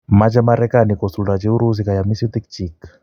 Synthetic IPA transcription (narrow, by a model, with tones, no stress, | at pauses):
mad͡ʒa˦maɾɛkani˨kɔsu˨la˨d͡ʒɛ˦u˦ɾuz̬i˦ka˨ja˨mi˦siu˦t̪ikt͡ʃik